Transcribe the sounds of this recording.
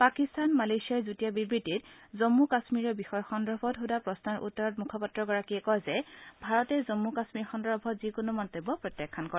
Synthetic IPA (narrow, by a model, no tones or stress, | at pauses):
pakistanmalejsiaɹzutiabibɹititzomːukasmiɹɔbixɔjɔxɔndɹɔbʱɔtɦudapɹɔsnaɹʔṵtːɔɹɔtmukʰɔpatɹɔɡɔɹakiɛkɔjzɛbʱaɹɔtɛzɔmːukasmiɹxɔndɔbʱɔtzikonomɔntobɔpɹɔtjakʰːankɔɹɛ